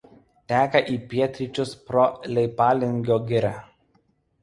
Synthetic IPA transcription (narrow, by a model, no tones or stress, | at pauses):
t̪ʲæːkɐʔiːpʲiɛt̪ʲɾʲɪt͡ʃʲʊspɾɔlʲɛɪpɑːlʲɪŋʲɡʲoːɡʲɪɾʲæ